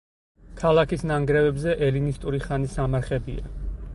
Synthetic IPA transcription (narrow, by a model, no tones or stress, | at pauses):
kʰalˠakʰisnaŋɡɾɛvɛbzɛʔɛlinist̪ʼuɾiχanisamaɾχɛbia̰